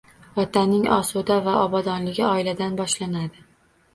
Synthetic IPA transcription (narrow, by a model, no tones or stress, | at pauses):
vɒt̪ʰanɪŋɒsud̪avaʔɒbɒd̪ɒnlɪɡʲɪɒɪlad̪anbɒʃlanad̪ɪ